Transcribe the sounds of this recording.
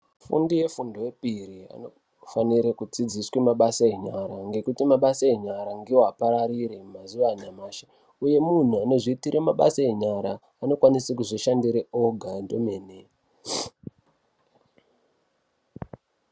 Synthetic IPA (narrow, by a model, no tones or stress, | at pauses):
fṵndije̞fundowepiɾia̰no | faniɾekud͡zid͡ziswemaɓasaeɲaɾaŋɡe̞kutimaɓasaeɲaɾaŋɡiwoapaɾaɾiɾemazuʋanamaːʃḁ | uje̞mun̤uane̞ʐiitiɾʔemaɓa̰saeɲaɾaː | no̞kwanisakuʐiʃandiɾeoɡʱandomene